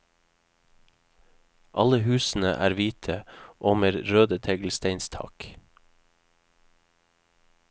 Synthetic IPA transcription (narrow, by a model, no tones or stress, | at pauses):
ʔɑləhʉːsn̩ə̰ʔæ̰ːɾʋiːt̪ʰəʔoːməɾɾøːd̪ət̪ʰɛɡl̩st̪eɪnst̪ʰɑ̰k